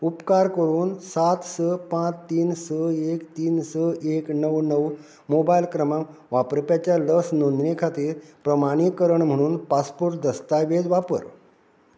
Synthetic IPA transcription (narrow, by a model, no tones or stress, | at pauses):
upkaɾkəɾuːnsat̪səpãt͡ɕt̪iːnsəekt̪iːnsəeknəʋnəw | mobailkɾəmãŋʋapɾpjat͡ɕjaləksnonnekʰat̪iːɾpɾəmaɽ̃ikəɾəɳm̤əɽ̃uːnpaspuɾʈ̚d̪əst̪ajʋed͡zʋapə̰ɾ